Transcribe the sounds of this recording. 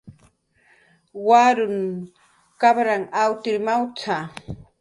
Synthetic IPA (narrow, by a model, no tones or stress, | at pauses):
waɾʊn | kaβɾaŋawt̪ɪɾmawt͡sʰa